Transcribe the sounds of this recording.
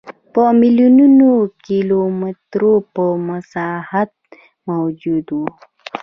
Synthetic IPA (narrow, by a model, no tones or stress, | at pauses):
pəmiljununokilomɪt̪ɾopəmasɑhat̪̚ | mawd͡ʒud̪wu